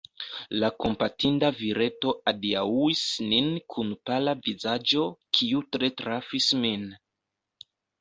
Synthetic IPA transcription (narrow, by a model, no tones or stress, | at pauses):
lako̞mpatʰindaviɾe̞to̞ʔadiauisninkʰunpalavizad͡ʒo̞kʰiutɾe̞tɾafismin